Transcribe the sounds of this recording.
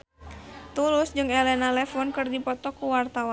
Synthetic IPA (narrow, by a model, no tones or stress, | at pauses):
t̪ulʊsd͡ʒɨŋɛlɛnalɛfɔnkɨrdipɔt̪ɔkuwart̪awa